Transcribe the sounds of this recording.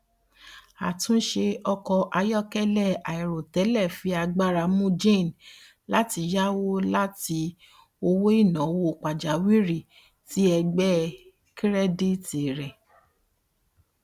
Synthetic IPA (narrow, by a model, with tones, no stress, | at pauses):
a̰˨tũ˦ʃe˧ɔ˧kɔ˧ʔa˧jɔ˦kɛ˦lɛ˦˨a˨i˨ɾo˨tɛ˨˦lɛ˦˨fi˧a˧ɡ͡ba˦ɾa˧mũ˦d͡ʒẽ˦˨n˨ | la˦ti˧ja˦wo˦la˦ti˧ | o˧wo˦i˦˨nã˨˦wo˧˨k͡pa˨d͡ʒa˨˦wi˦ɾi˦˨ | ti˦ɛ˧ɡ͡bɛ˦ | ki˦ɾɛ˦di˦˨te˨ɾɛ˨